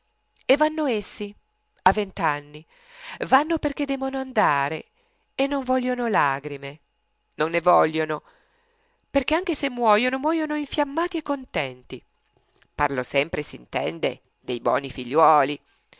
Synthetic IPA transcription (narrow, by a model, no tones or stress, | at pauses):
evːanːoesːi | avːent̪anːi | vanːoperk̟ed̪ːɛːmonoand̪aːɾḛ | enːoɱvɔʎjonolaːɡɾime | nonːevɔlːono | perk̟eaŋk̟esemːwɔːjonomwɔːjonoiɱfjamːaːt̪iekːont̪ɛnt̪i | parlosɛmpɾesint̪ɛ̰nd̪ḛ | d̪ejbwɔ̰ːnifiʎːwɔːli